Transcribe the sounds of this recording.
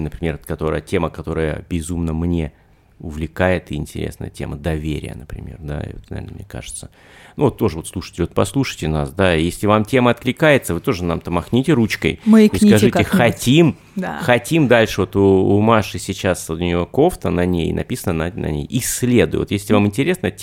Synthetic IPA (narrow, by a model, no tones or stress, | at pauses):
nəpɾʲɪmʲe̞rt̪kɐt̪o̞ɾə̰jətʲe̞məkɐt̪o̞ɾəjə̰bʲɪzumnəmnʲe̞ | ʊvlʲɪkajɪt̪ɪɪnʲtʲɪɾʲḛsnə̰jə̰tʲe̞̰mʔəd̪ɐvʲeɾʲɪ̰jə̰nəpɾʲɪ̰mʲe̞̰rd̪a̰ɪ̰o̰t̪̚nɐvʲḛrnəmnʲḛka̰ʐɨ̥t̪sə̥ | nuvot̪ːo̞ʐɨvo̞t̪slˠuʂɨ̥tʲɪlʲvot̪pɐslˠuʂɨ̥jtʲɪnasd̪ajesʲlʲɪvamtʲe̞məɐt̪̚klʲɪkajɪt̪səvɨt̪o̞ʐɨnamt̪əmɐxnʲitʲɪɾut͡ɕkə̰jməkiskɐʐɨtɪxɐtʲim | d̪axɐtʲimd̪alʲʂɨvo̞t̪ʊːmaʂɨsʲɪt͡ɕast̪ʊnʲɪjoko̞ft̪ənɐnʲḛjnʔɐ̰pʲisənənɐnɐ̰nʲḛjisʲlʲe̞d̪ʊjɪ̰vt̪jesʲlʲɪvamɪnʲtʲɪɾʲesnətʲ